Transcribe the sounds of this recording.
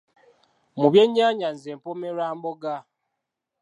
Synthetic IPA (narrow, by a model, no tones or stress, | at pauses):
muβjeɲaɲanzempomeɾaːmboɡa